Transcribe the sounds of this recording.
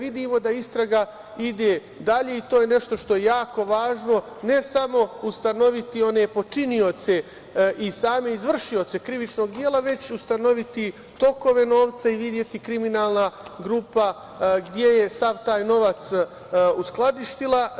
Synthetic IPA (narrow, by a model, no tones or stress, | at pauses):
ʋid̪iːmo̞d̪aist̪ɾaɡa | id̪e̞ː | d̪aʎe̞it̪oːjene̞ʃt̪o̞ʃt̪o̞jejaːko̞ʋaːʒno̞ | ne̞samo̞ust̪ano̞ʋit̪io̞ne̞po̞t͡ʃinio̞t̪se̞ | ʔisaːme̞izʋr̩ʃio̞t̪se̞kɾiʋit͡ʃno̞ːɡd̪jeːlaʋe̞t͡ɕust̪ano̞ʋit̪i | t̪o̞ko̞ʋe̞no̞ːʋt̪saiʋid̪je̞t̪ikɾiminaːlˠnaɡɾuːpa | ɡd̪je̞je̞saʋt̪aːjno̞ʋat̪s | usklˠad̪iʃt̪ila